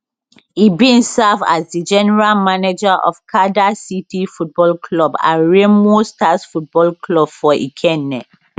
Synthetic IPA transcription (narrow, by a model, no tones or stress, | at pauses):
ibĩnsava̰sdid͡ʒɛnɛɹalmaned͡ʒaʔɔ̰fkʰadasitifut̚bɔlkʰlɔbã̰ɹemostasfut̚bɔlklɔbfɔʔḭkʰɛ̃nːɛ